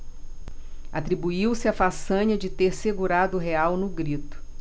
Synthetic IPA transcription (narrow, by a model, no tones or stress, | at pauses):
at̪ɾibuiwsɪɐfasɐ̃ɲɐd͡ʒɪt̪eɾseɡuɾad̪ʊɦeawnʊɡɾit̪ʊ̥